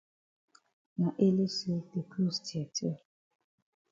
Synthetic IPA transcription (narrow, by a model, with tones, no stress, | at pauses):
na˨ʔe˦le˦se˦de˨ku˦˨stʰɛ˨tʰe˦